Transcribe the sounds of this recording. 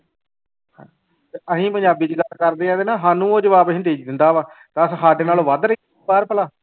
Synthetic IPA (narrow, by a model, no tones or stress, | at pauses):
hãː | t̪eəsĩːpəɲd͡ʒaːbiːt͡ʃɡəlkəɾd̪eːãːd̪eːnãːɦaːnũːoːd͡ʒəʋaːbəsĩt̪̬iːd͡ʒd̪ɪ̃nd̪aːʋaːt̪aəssaːɖeːnaːloːʋaːd̪ɾəi | baːɾpəlaː